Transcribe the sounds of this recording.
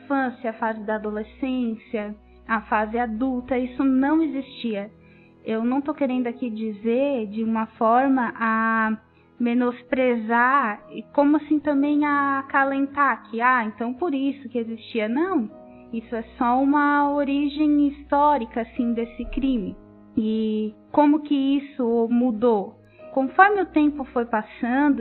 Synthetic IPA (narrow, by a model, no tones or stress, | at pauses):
ĩfɐ̃sjɐɐfazɪd̪ɐːd̪olesẽsiɐː | fazɪad̪uwt̪ɐisʊnɐ̃w̃ezist͡ʃiɐ | ewnɐ̃w̃t̪okeɾẽnd̪ʊakid͡ʒizeɾd͡ʒɪũmɐfɔɾmɐʔa | menospɾezakõmʊasĩt̪ɐ̃mbẽj̃akalẽnt̪akʰɪaẽnt̪ɐ̃w̃poɾisʊkɪezist͡ʃiɐnɐ̃w̃ | isʊɛsɔũmɐoɾiʒẽj̃ist̪ɔɾikɐasĩd̪esɪkɾĩmɪ | ɪkõmʊkɪisʊmud̪o | kõfɔɾmɪʊt̪ẽmpʊfojpasɐ̃nd̪ʊ